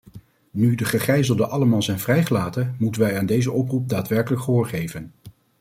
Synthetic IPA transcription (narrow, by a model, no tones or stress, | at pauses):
nydəχəχrɛjzəlˠdəʔɑləmaːlˠzɛjnvrɛjχəlaːtəmutənʋɛjaːndejzəɔprup̚daːtʋɛɹkələkχəɦoːɹχejvən